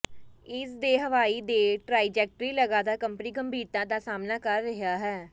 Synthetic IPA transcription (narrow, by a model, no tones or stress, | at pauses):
ɪsd̪eːɦəʋaːiːd̪eːʈɾaːid͡ʒɛːk̚ʈɾiːləɡãːd̪aːkəmpəniːɡəmbʱiːɾt̪ãːd̪aːsaːmnaːkəɾːəɦjaːɦɛː